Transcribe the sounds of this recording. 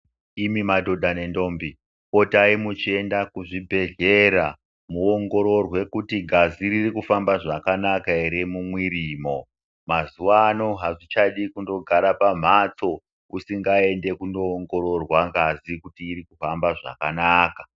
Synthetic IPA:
imimadʱo̞dʱane̞ndo̞mbi | po̞taimut͡ʃie̞ndakuʐibʱe̞ɮeɾa | muoŋɡo̞ɾo̞rwe̞kutiɡʱaziɾirikufambaʐakanakaeɾe̞mumwiɾiːmo̞ | mazuʋano̞ɦaʐit͡ʃaɗikundo̞ɡʱaɾapam̤at͡so̞ | usiŋɡae̞nde̞kundoːŋɡo̞ɾorwaŋɡazikutiːɾikufambaʐa̰kanaːka

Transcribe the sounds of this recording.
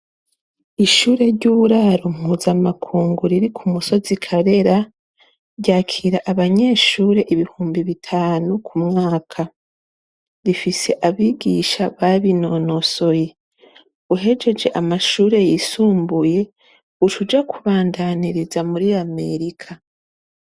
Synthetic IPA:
iʃuːɾe̞ɾɟuːβuɾaɾom̥huːzamakʰuːŋɡuɾiɾikʰumuso̞zikʰaɾe̞ɾa | ɾɟaːkʰiɾaʔaβaɲe̞ːʃuːɾe̞ʔiβihuːmbiβitʰaːnukʰumŋaːkʰa | ɾifise̞ʔaβiɡiʃaβaβino̞no̞so̞je | uɦe̞d͡ʒe̞d͡ʒe̞ʔamaʃuːɾe̞jisuːmbuje̞ | ut͡ʃud͡ʒakʰuβaːndaniɾizamuɾiame̞̰ɾikʰa

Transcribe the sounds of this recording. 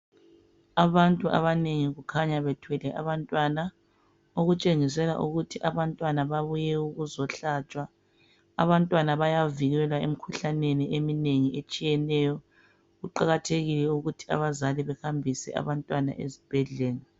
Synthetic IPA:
aβantʼuʔa̰βaneŋiɣukʰaɲaβɛtʰwɛlɛʔa̰βantʼwana | oɣut͡ʃʼeŋis̬ɛla̰ʔuɣutʰiʔaβantʼwanaβaβujɛuɣuzɔɬat͡ʃʼwa̰ː | βantʼwanaβajaviɣɛlaemikʰuɬaneniʔemineŋiet͡ʃʼijɛnɛjɔ | ɣuǃaɣatʰeɣilɛuɣutʰi̥a̰βazaliβɛxambʱisɛ̰ʔa̰βantʼwana̰ʔḛzib̥ʱɛɮɛːla

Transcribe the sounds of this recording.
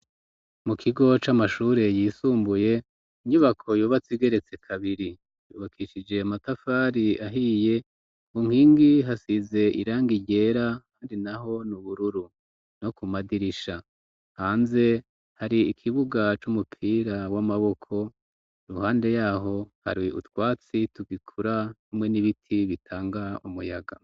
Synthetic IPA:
mukʰiɡo̞t͡ʃamaʃuːɾe̞jiːsuːmbuje̞ | iɲuβakʰo̞juːβat͡siɡe̞ɾe̞t͡se̞kʰaβiɾi | juːβakʰiʃid͡ʒe̞amatafaːɾiaɦije̞ | uŋ̥hiːŋɡiɦasize̞ʔḭɾaːŋɡiɟe̞ːɾaaːndinaɦo̞nuβuɾuɾu | no̞kumadiɾiʃa | haːnze̞ | haɾiːkʰiβuɡat͡ʃumupʰiːɾawamaβo̞kʰo̞ | ɾuhaːnde̞jaːɦo̞ha̰ɾiṵtwaːt͡situɡikʰuɾanhumŋe̞niβitʰiβitʰaːŋɡaumujaɡa

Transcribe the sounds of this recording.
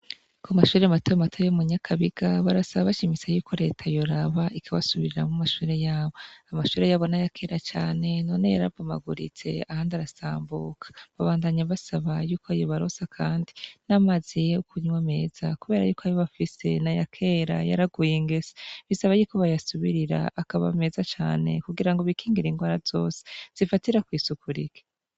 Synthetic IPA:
koamaʃuːɾematojematʰojomuɲakʰaβiɡ̥aβaɾasaβaβaʃimisajuːkʰo̞ɾe̞̰ːtʰajo̞ɾaβaʔikʰaβasuβiɾiɾa̰mumaʃuːɾe̞jaːβo̞amaʃuːɾe̞jaːβo̞najakʰe̞ːɾat͡ʃaːne̞nonejaɾa̰vama̰ɡuɾḭt͡se̞̰ahaːndaɾasaːmbukʰḁβaβaːndaɲaβasaβajuːkʰoajoβaɾosakʰaːndinamazijeukʰuɲweme̞ːz̥akuβe̞ːɾa̰juːkoajoβafise̞najakʰe̞ːɾa̰ja̰ɾaɡujiŋɡeze̥βisaβajuːkoβajasuβiɾiɾa̰ʔːkaβa̰me̞zat͡ʃa̰ːne̞̰kuɡiɾaŋɡo̞βikʰiːŋɡiɾiŋɡwaːɾazo̞ːse̥z̥ifatiɾakwiːsukʰuɾḭke̥

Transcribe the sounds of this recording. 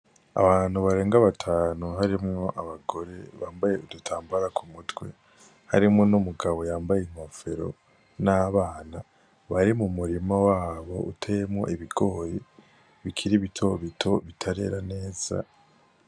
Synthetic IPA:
a̰βaːn̥huβaɾe̞ːŋɡaβatʰaːnuɦaɾimŋo̞ʔaβaɡo̞ɾe̞βaːmbaje̞udutʰaːmbaɾakʰumutwe̞̰ | ha̰ɾimŋonumuɡaβo̞jaːmbajenwafe̞ɾo̞̰ | naβaːna | βaɾimumuɾimawaːβo̞̰ʔutʰejemŋo̞̰ʔiβiɡo̞ːje | βikʰiɾiβitʰo̞βitʰo̞βitʰaɾe̞̰ɾane̞ːz̥a̰

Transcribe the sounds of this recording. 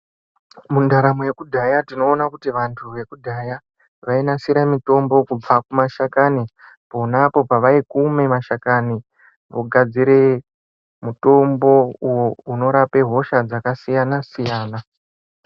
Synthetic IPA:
mundaɾamuje̞kudʱajatino̞ːnakutiʋantʰuʋe̞kudʱaja | ʋainasiɾamito̞mbo̞kub͡vakumaʃakani | po̞napo̞paʋaikume̞maʃakani | ʋoɡʱad͡ziɾe̞ | muto̞mbo̞uwo̞uno̞ɾape̞ɦo̞ʃad͡zakasijanasijaːna

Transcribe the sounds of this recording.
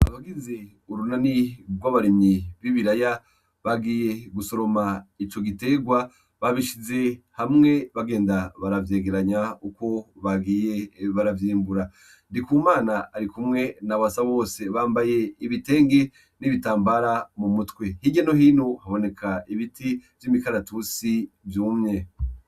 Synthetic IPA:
aβaɡize̞ | uɾunaniɡwaβaɾimiβiβiɾaja | βaɡiːje̞ɡuso̞ɾo̞mait͡ʃo̞ɡite̞ːɡwa | βaβiʃize̞hamŋe̞βaɡe̞ːndaβaɾavje̞ːɡe̞ɾaɲauko̞βaɡiːjeβaɾavjiːmbuɾa | ndikumaːnaːɾikumŋe̞naβasaβo̞ːse̞βaːmbaje̞iβite̞ːŋɡe̞ | niβitaːmbaɾamumutwe̞hiɡɟeno̞hiːnohaβo̞ne̞kʰaiβitʰivjimikaɾatusivjuːmɲe̞

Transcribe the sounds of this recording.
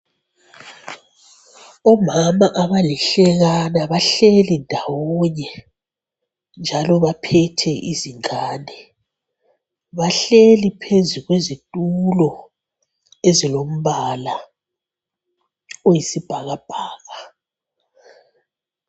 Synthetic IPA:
ɔmamaʔaβalɛɬɛɣanaβaɬelindʱawɔɲɛ | nd͡ʒʱalɔβapʰɛtʰɛʔiziŋʱaːnɛ | βaɬelipʰezuɣwezitʼulɔ | ezilom̩βala | ojisib̥ʱaɣab̥ʱaːɣa

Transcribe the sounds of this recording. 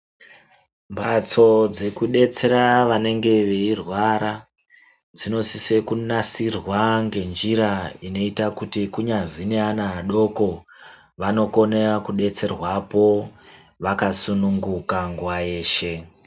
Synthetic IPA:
mbʱat͡so̞d͡ze̞kuɗe̞t͡se̞ɾaʋane̞ŋɡe̞ʋeirwaɾa | d͡zino̞sise̞kunasirwaŋɡe̞nd͡ʒiɾaino̞itakutikuɲazineanaːɗo̞ko̞ | ʋano̞ko̞nerakuɗe̞t͡se̞rwapo̞ | ʋakasunuŋɡukaŋɡuwaje̞ːʃe̞

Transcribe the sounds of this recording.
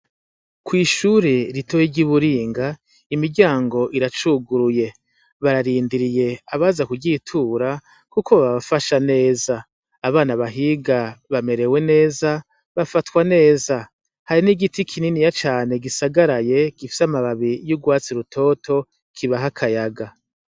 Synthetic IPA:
kwiːʃuːɾiɾitʰojiɟiβuɾiːŋɡa | imiɾɟaːŋɡo̞ʔiɾat͡ʃuɡuɾuje̞ | βaɾaɾiːndiɾije̞aβazakuɡɟitʰuːɾa | kukoβaβaβafaʃane̞ːzaː | βaːnaβaɦiɡaβame̞ɾe̞we̞ne̞ːza | βafatkwane̞ːza | haɾiniɡitikʰininijat͡ʃaːne̞ɡisaɡaɾaje̞ɡ̥ifi̥samaβaβijuɡwaːt͡siɾutʰo̞ːtʰo̞ | kʰiβaɦakʰajaɡa

